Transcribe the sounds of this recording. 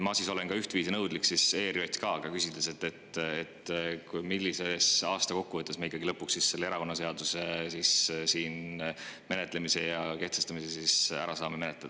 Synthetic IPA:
mɑsiso̞lenkɑyht̪viːsinɤwd̪̥liksise̞ːɾio̞t̪ʲːkɑːɡ̥ɑkysid̪̥leset̪ːe̞t̪ːet̪ːkujmilːise̞sɑːst̪ɑko̞kːuvɤt̪ːˑesmeikˑːɑɡilɤpːuksisse̞lːeeɾɑko̞nːɑs̬e̞ɑd̪̥usesissiːn | me̞net̪ˑle̞mise̞jɑke̞ht̪sest̪ɑmisesisæ̰ɾɑsɑːmeme̞net̪ld̪̥ɑ

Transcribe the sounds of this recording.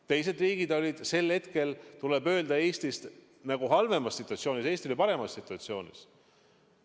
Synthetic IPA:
t̪e̞jse̞d̪riːɡ̥id̪o̞lʲid̪̥se̞lhe̞t̪ke̞lt̪ule̞bø̞ːld̪ɑe̞ːsʲt̪ist̪ | næɡ̥uɦɑlve̞mɑsːit̪ːˑuɑt̪sio̞ːnise̞ːst̪iolʲipɑɾe̞mɑsːit̪ːˑuɑt̪sio̞ːnʲḭs

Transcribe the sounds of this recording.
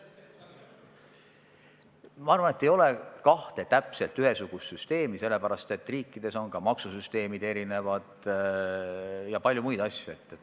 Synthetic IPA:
mɑɑrvɑne̞t̪ːe̞jo̞le̞kɑht̪e̞t̪æpse̞lt̪yɦe̞suɡ̥ust̪syst̪e̞ːmise̞lːe̞pæɾɑst̪e̞t̪ːˑriːkːˑid̪̥e̞so̞nkɑmɑksusyst̪e̞ːmid̪̥e̞ɾine̞vɑd̪̥ | jɑpɑlʲjumujd̪ɑsjue̞t̪ːe

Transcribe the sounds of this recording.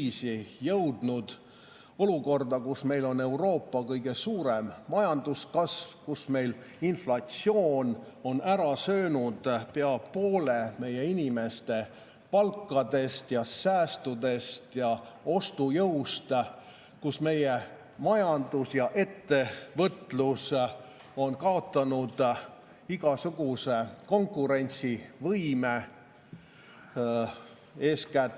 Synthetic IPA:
sijɤwd̪̥nud̪̥ | o̞luko̞rd̪ɑkusme̞jlo̞ne̞uwro̞ːpːɑkɤjɡ̥e̞suːɾemːɑjɑnd̪uskɑsvkusme̞jlinflɑt̪sioːno̞næɾɑsø̞ːnud̪̥pe̞ɑpo̞ːle̞me̞je̞inʲime̞st̪e̞ | pɑlkːˑɑd̪e̞st̪jɑsæːst̪ud̪e̞st̪jɑo̞st̪ujɤwst̪ | kusme̞je | mɑjɑnd̪̥usjɑʔe̞t̪ːe̞vɤt̪ˑlus | o̞nkɑo̞t̪ːˑɑnud̪̥ | iɡɑsuɡ̥use̞ko̞ŋkːˑuɾe̞nʲt̪sivɤjme | e̞ːskæt̪ː

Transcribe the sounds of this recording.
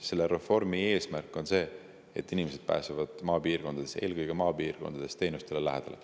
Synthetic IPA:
se̞lːeɾe̞fo̞rmie̞ːsmærkːˑo̞nse̞ː | ḛt̪ːˑinimese̞d̪̥̚pæ̰ːsevɑd̪̥mɑːpiːrko̞nd̪ɑd̪̥e̞se̞ːlkɯjɡ̥emɑːpiːrko̞nd̪̥ɑd̪̥e̞st̪eːnust̪e̞lelæɦed̪̥ɑlḛ

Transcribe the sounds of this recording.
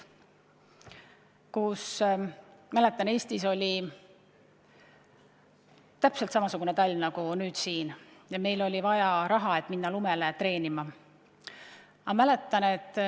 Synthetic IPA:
kus | mæle̞t̪ːˑɑne̞ːst̪iso̞lʲi | t̪æpselt̪sɑmɑsuɡ̥unet̪ɑlʲːnɑɡ̥unyːd̪̥siːnjɑme̞jlo̞lʲivɑjɑɾɑɦɑe̞t̪ːˑminːɑlume̞let̪re̞ːnimɑ | ɑmæle̞t̪ːˑɑne̞t̪ˑː

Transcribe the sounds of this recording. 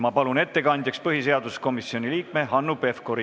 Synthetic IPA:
mɑpɑlune̞t̪ːe̞kɑnʲd̪̥ʲjɑkspɤɦis̬e̞ɑd̪̥usko̞misio̞nʲiliːk̚me̞ɦɑnːupe̞fkoɾi

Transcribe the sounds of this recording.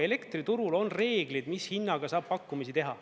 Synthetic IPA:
e̞le̞kt̪rit̪uɾulo̞nre̞ːɡlid̪mishinːɑɡ̥ɑsɑːb̥pɑkːˑumisit̪e̞ɦɑ

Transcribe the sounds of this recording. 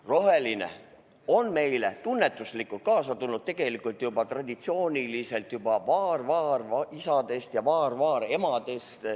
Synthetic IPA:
ro̞ɦe̞line̞̰ | o̞nme̞jle̞t̪unːe̞t̪ːˑuslikˑult̪̚kɑːsɑt̪ulnːud̪̚t̪ːe̞ɡ̥e̞likˑult̪ˑjubɑt̪rɑd̪̥ʲit̪sio̞ːnʲilise̞lt̪jubɑvɑːrvɑːrɑisɑd̪̥e̞st̪jɑvɑːrvɑːɾe̞mɑd̪e̞st̪

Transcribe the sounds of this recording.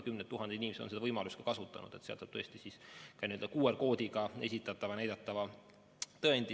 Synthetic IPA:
kymnet̪ːuɦɑnd̪einʲimeseonse̞d̪ɑvɤjmɑlust̪kɑ̥kɑsut̪ːˑɑ̰nṵd̪̥e̞t̪seɑ̰lt̪sɑb̥t̪ɤest̪isiskɑniøld̪ɑkuːerko̞ːd̪iɡɑe̞sit̪ːˑɑt̪ːˑɑvɑnæjd̪ɑt̪ːˑɑvɑ | t̪ɤend̪i

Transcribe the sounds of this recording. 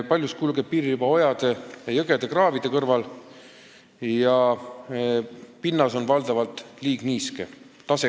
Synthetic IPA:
pɑlʲjuskulɡ̥e̞p̚pːiːɾiubɑo̞jɑd̪̥e̞jɑjɤɡe̞d̪̥e̞krɑːvid̪̥e̞kɤrvɑl | jɑ | pinːɑso̞nvɑld̪̥ɑvɑlt̪ˑliːɡ̥niːske | t̪ɑse

